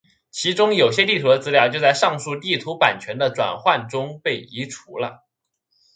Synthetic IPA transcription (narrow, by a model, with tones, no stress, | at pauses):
t͡ɕʰi˧˥ʈ͡ʂʊ˥ŋjo˨˩ʊɕjɛ˥t̪i˥˩t̪ʰu˧˥d̪ə˧t͡sɹ̩˥ljɑ˥˩t͡ɕjo˥˧ʊt͡sa˥˧ɪʂɑ˥˧ŋʂu˥˧t̪i˥˩t̪ʰu˧˥pa̰˨˩nt͡ɕʰɥɛ˧˥nd̪ə˧ʈ͡ʂwa̰˨˩nxwa˥˩nʈ͡ʂʊ˥ŋpe˥˩ɪi˧˥ʈ͡ʂʰu˧˥lə̰˧